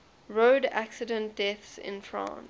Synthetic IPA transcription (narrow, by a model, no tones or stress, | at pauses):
ɹodæksɪdə̃nt̚d̥ɛθsɪ̰̃nfɹã̰n